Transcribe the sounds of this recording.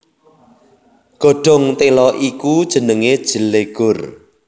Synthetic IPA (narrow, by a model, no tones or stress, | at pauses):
ɡ̥o̤ɖ̥ɔ̤ŋt̪elɔʔikud̥ʒ̥ə̤nəŋed̥ʒ̥ə̤leɡ̥ʊr